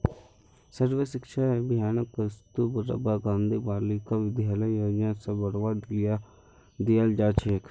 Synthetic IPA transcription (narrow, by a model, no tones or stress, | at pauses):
səɾʋəʃɪkʃaːebɪjaːnkəst̪ubəɾə̰baːɡãːnd̪iːbaːlɪkaʋɪd̪jaːləjjoːd͡ʒãːsəbəɽʋaːd̪a | d̪ɪjald͡ʒaːt͡ʃʰeːk